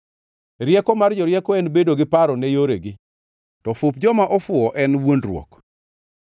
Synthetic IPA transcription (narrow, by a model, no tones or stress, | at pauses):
ɾjɛkɔmard͡ʒɔɾjɛkɔɛnbedoɡɪpaɾɔnɛjoɾeɡɪ | tɔfʊp̚d͡ʒɔmaʔɔfʊɔʔɛnwondɾwɔ̰k